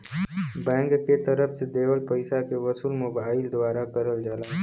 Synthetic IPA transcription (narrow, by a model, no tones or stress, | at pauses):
bɛ̃ːŋkːet̪əɾəpʰsed̪eːʋəlpəɪsakeʋəsulmʊbaːɪld̪waːɾakəɾəld͡ʒaːlaː